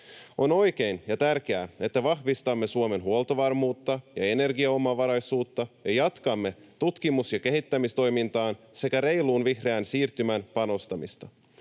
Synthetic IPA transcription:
o̞no̞jk̟e̞jnjɑt̪ærk̟eæe̞t̪ːæʋɑhʋist̪ɑmːesuomenɦuolˠt̪oʋɑrmuːt̪ːɑjɑ̰e̞ne̞rɡiɑomɑʋɑɾɑjsuːt̪ːɑjɑjɑt̪kɑmːe̞t̪ut̪kimusjɑke̞ɦit̪ːæmist̪o̞jmint̪ɑːn | se̞kæɾe̞jluːnʋihreænsiːrt̪ymænpɑno̞st̪ɑmist̪ɑ

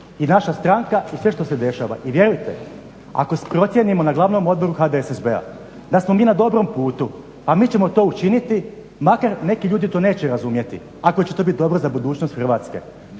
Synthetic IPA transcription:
inaʃast̪ɾaŋkaisʋe̞ʃt̪o̞se̞d̪e̞ʃa̰ːʋa̰ʔiʋje̞ɾujt̪e̞ | a̰ko̞spɾo̞t̪sje̞nimo̞naɡlˠaʋno̞mo̞d̪bo̞ɾuxad̪esezbea̰ | d̪asmo̞miːnad̪o̞bɾo̞mpuːt̪u | pamiːt͡ɕe̞mo̞t̪o̞ːut͡ʃinit̪i | makaɾne̞kiʎuːd̪it̪o̞neːt͡ɕeɾazumje̞t̪ḭ | ako̞t͡ɕet̪obit̪id̪o̞bɾozabud̪uːt͡ɕnost̪xrʋaːt̪ske̞̰

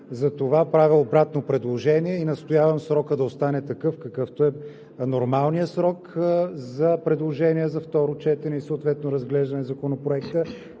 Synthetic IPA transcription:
zɐt̪ovapɾaviobɾat̪nopɾɛd̪lˠoʒɛniɛinɐst̪ojavəmsɾɔkəd̪ɐost̪anɛt̪ɐkɤfkɐkɤft̪oɛ | noɾmalˠnijəsɾɔkzɐpɾɛd̪lˠoʒɛniɛzɐft̪ɔɾot͡ʃɛt̪ɛnɛisoːt̪vɛt̪noɾɐzɡlɛʒd̪ɐnɛzɐkonopɾoɛkt̪ə

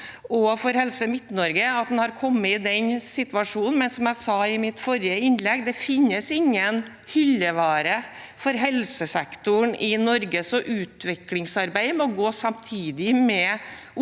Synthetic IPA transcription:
ɔfɔɾhɛlsəmɪt̪ːnɔɾɡəɑt̪̚d̪ɛnhɑɾkʰɔmːəɪd̪ɛnsɪt̪ʋɑʂuːnn̩mɛnsɔmæɪsɑːɪmɪt̪fɔɾɪəɪnlɛɡd̪ɛfɪnːəsɪŋːən | hʏlːəʋɑːɾəfɔɾɦɛlsəsɛkt̪ʊɳɪnɔɾɡəsɔʔʉːt̪ʋɪklɪŋsɑɾbæɪmɔɡoːsɑmt̪ʰiːd̪ɪmɛ

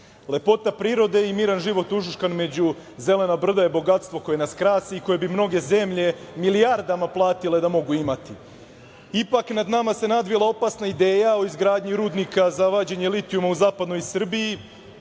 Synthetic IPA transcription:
le̞po̞t̪apɾiːɾo̞d̪e̞imiːɾanʒiʋo̞t̪uʒuʃkanme̞d͡ʑu | ze̞le̞nabr̩d̪aje̞bo̞ɡat̪st̪vo̞ko̞je̞naskɾaːsiiko̞je̞bimno̞ɡe̞ze̞mʎe̞milijaɾd̪amaplˠaːt̪ile̞d̪amo̞ɡuimat̪i | ipaknad̪namase̞nad̪ʋilˠao̞pasnaid̪eːjao̞izɡɾaːd̪ɲiɾuːd̪nikazaʋaːd͡ʑeɲelit̪iumauzaːpad̪nojisr̩biji

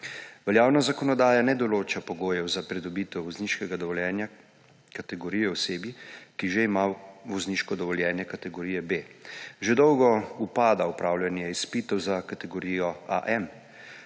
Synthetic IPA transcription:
ʋɛljaːwnazakɔnɔd̪aːjanɛd̪ɔloːt͡ʃapɔɡoːjɛwzapɾɛd̪ɔbiːt̪ɛwʋɔzniːʃkɛɡad̪ɔʋɔljɛːnja | kat̪ɛɡɔɾijɛwseːbjikiʒeimaʋɔzniʃkɔd̪ɔʋɔljɛːnjɛkat̪ɛɡɔɾijɛbeːʒed̪ɔwɡɔupaːd̪aupɾaːwljanjɛispit̪ɔwzakat̪ɛɡɔɾijɔa̰ʔɛm

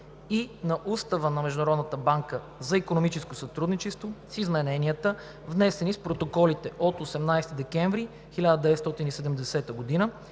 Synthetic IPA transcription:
inɐʔust̪əvənɐmɛʒd̪ʊnɾɔd̪nət̪əbaŋkə | zɐikonomit͡ʃɛskosɐt̪ɾud̪nit͡ʃɛst̪vosizmɛnɛniət̪ə | vnɛsɛnispɾot̪okɔlit̪ɛʔot̪osɛmnajst̪id̪ɛkɛ̃ɱvɾi | xilʲad̪əd̪ɛvɛt̪st̪ɔt̪inisɛd̪ɛmd̪ɛsɛt̪əɡod̪inə

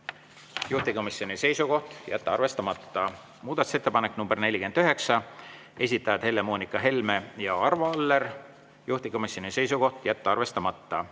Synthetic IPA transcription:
juht̪iko̞misjo̞nʲise̞jsuko̞ht̪jæt̪ːɑɑrve̞st̪ɑmɑt̪ːɑ | muːd̪ɑt̪u̥se̞t̪ːepɑnekːˑnumb̥e̞rne̞lʲːike̞nd̪̥yɦe̞ksɑ | e̞s̬ʲit̪ːˑɑjɑd̪̥he̞lːe̞moːnikːˑɑɦe̞lme̞jɑɑrvɑɑlːe̞r | juht̪iko̞misʲːo̞nise̞jsuko̞ht̪jæt̪ːɑɑrve̞st̪ɑmɑt̪ːɑ

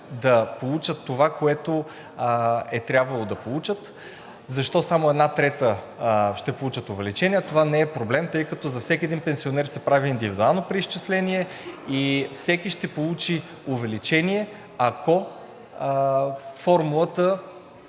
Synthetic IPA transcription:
d̪ɐpolˠut͡ʃət̪ːovakoɛt̪o | ɛt̪ɾʲjabvɐlˠod̪ɐpolˠut͡ʃət̪ | zɐʃt̪ɔsamoɛd̪nat̪ɾɛt̪ə | ʃt̪ɛpolˠut͡ʃət̪ʊvɛlit͡ʃɛniɐt̪ovanɛːpɾoblɛmt̪ɤjkɐt̪ɔzɐfsɛkʲiɛd̪inpɛnsionɛɾsɛpɾaviːnd̪ivid̪ualˠnopɾiisʃt͡ʃislɛniɛifsɛkiʃt̪ɛpolˠut͡ʃi | ʊvɛlit͡ʃɛniɛ | ɐkɔ | fɔɾmulˠət̪ə

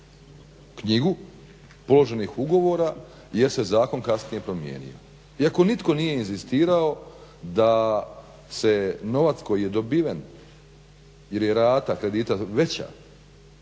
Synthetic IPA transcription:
kɲiɡu | po̞lo̞ʒe̞nixuɡo̞ʋo̞ːɾa | je̞ɾse̞zaːko̞nkasnije̞pɾo̞mjḛːnḭo̞̰ | iako̞nit̪ko̞nije̞inzist̪iːɾao̞d̪a | se̞no̞ʋat̪sko̞jijed̪o̞biʋen | je̞ɾje̞ɾaːt̪akɾe̞d̪iːt̪aʋe̞t͡ɕa̰

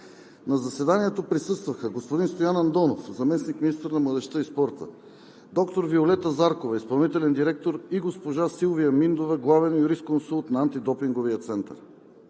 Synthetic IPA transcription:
nɐzɐsɛd̪aniɛt̪opɾisɤst̪vɐxəɡospod̪inst̪ojanɐnd̪ɔnofzɐmɛsnikminist̪əɾnɐmlˠɐd̪ɛʃt̪əispɔɾt̪ə̰ | d̪ɔkt̪oɾviolɛt̪əzaɾkovɐispɐlˠnit̪ɛlɛnd̪iɾɛk̚t̪oɾiɡospoʒasilˠvijəmind̪ovəɡlˠavɛnjuɾist̪konsulˠt̪nɐant̪id̪ɔpiŋɡoviət̪sɛnt̪ə̰ɾ

